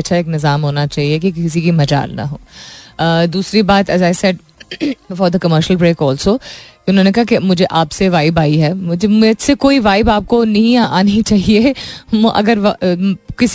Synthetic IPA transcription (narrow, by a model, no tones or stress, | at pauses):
ɐtːʃʰaeːknɪzaːmɦoːnat͡ʃaːɦiekikɪs̬ik̬imɐd͡ʒa̰ːlnɐ̰ɦoː | d̪uːsɾibaːt̪ɛzaːɪsɛɖ̚ | fɔːɾd̪əkɐməɾʃəlpɾeːkɔːlsoːkiʊnɦõːnekɐɦakemʊd͡ʒʱeʔaːpseʋaːɪbaːiɦɛːmʊd͡ʒʱemesekoːiʋaːɪbaːp̚konɐɦĩaːnit͡ʃaːɦieʔɐ̰ɡəɾʋkɪs